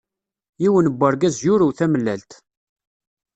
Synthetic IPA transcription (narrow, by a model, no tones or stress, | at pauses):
jiwənəbːəɾˤɡæzjuɾuwθæməlːælt̪